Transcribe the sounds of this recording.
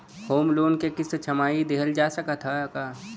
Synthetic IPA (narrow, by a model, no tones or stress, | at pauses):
hoːmloːnkekɪst͡ʃʰɐmaːid̪eɦəld͡ʒaːsəkat̪ʰakaː